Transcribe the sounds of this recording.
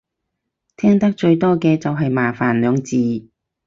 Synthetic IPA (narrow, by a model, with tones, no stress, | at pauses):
t̪ʰɛː˥ŋt̪ɐ˥k̚t͡ʃɵ˧ɥt̪ɔː˥kɛː˧t͡sɐ˨wɦɐ˨jmaː˨˩faː˨˩nlœː˨˧ŋt͡siː˨˩